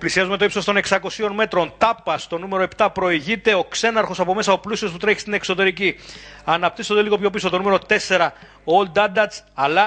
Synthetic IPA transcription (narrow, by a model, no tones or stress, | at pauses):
plisiɐzume̞t̪o̞ipso̞st̪o̞ne̞ksɐko̞sio̞nme̞t̪ɾo̞nt̪ɐpːɐst̪o̞nume̞ɾo̞e̞pt̪ɐpɾo̞iʝit̪e̞o̞kse̞nɐɾxo̞sɐpo̞me̞sɐoplusiosput̪ɾeçist̪ine̞kso̞t̪e̞ɾiciɐnɐp̚t̪isond̪e̞liɣo̞pço̞piso̞t̪o̞nume̞ɾo̞t̪e̞se̞ɾɐ | oold̪ɐd̪ɐt͡sɐlɐ